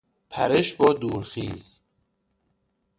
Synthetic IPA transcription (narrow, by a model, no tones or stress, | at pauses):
pʰæ̰ɾeʃbɒːd̪uːɾxḭːz